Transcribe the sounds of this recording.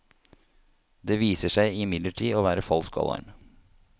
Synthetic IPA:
d̪eːʋiːsəʂæɪɪmɪd̪ləʈʰiːoːʋæːɾəfɔlskɔ̰ːlɑ̰ɾm

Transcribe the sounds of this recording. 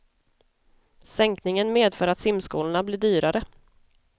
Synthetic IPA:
sɛŋknɪŋənmeːd̪fœːɾat̪sɪmskuːləɳablɪːɖyːɾaɾə

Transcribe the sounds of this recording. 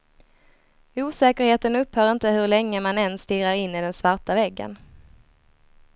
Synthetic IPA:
uːsɛːkəɾheːt̪ənɵphœːɾɪnt̪əɦɵɾlɛŋːəmanɛnsːt̪ɪːɾaɾɪnːɪd̪ɛnsvaɾʈavɛɡːə̰n

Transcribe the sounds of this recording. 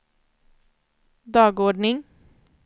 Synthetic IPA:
d̪ɑːɡɔɖɳɪŋ

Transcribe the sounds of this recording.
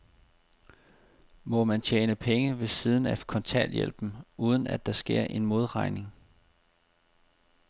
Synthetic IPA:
mɒ̽mænt͡ɕʰeːnəpʰeŋəʋe̝sið̞ˠn̩ækʰɒ̽nt͡sʰɛ̰ljḛl̰b̥n̩uːð̞ˠən̩æd̥ːɑ̈sɡ̥e̝ɐ̰ʔe̝nmo̝ð̞ˠʁɑ̈ɪne̝ŋ

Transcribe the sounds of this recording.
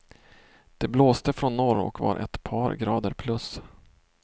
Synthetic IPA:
d̪̥ɛbloːst̪əfɾɔnːɔɾɔ̰kvɑ̰ɾʔɛ̰t̪pʰɑːɾɡɾɑːd̪əɾpʰlɵs

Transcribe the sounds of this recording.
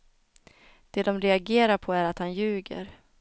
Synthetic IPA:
d̪̥ɛd̪ɔmɾɛaɡeːɾaɾpʰɔæɾat̪hanjʉ̟ːɡə̰ɾ

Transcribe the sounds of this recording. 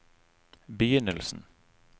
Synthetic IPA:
bəjʏnːəlsn̩

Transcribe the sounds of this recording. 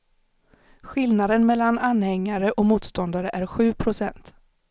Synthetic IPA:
ɧɪlnad̪ənmɛlːananhɛŋːaɾəʔɔmuːt̪st̪ɔnd̪aɾəʔæɾɧʉ̟ːpʰɾʊsɛnt̪

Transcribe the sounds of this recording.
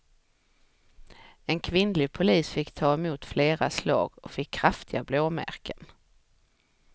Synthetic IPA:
ɛnkʰvɪnlɪɡ̚pʰʊliːsfɪkːt̪ʰɑːɛmuːt̪fleːɾaslɑ̰ːɡɔ̰fɪkʰːɾaft̪ɪɡabloːmæ̰ɾkən

